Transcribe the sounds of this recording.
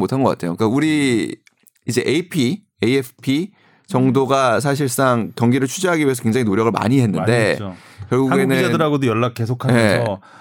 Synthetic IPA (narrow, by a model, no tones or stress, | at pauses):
motʰanɡʌk͈a̰tʰe̞jo̰kauɾi | id͡ʑe̞ʔepʰi | ejepʰpʰi | t͡ɕʌŋdoɡas̬ʰaɕ̬ʰiɭs͈aŋtjʌŋɡiɾɯɭt͡ɕʰud͡ʑeɦaɡiɥeʌkwe̞ŋd͡ʑaŋinoɾjʌɡɯɭma̰ɲiɦe̞nːɯnde̞kjʌɭɡuaɡeɡunɯd͡ʑadɯɾɦaɡodojʌɭːak̚k͈e̞s̬ʰokʰamʌʌ